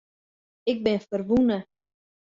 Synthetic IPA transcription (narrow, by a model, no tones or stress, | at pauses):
ɪk̚bɪnfərʋunə